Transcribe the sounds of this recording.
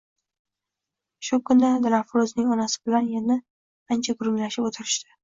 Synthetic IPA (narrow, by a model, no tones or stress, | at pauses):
ʃʊkʰʊnad̪lafɾoznɪŋɒnasɪ̥bɪlanjanɪ | ant͡ʃʰaɡʊɾʊŋlaʃɪbot̪ʰɪɾɪʃt̪ɪ̥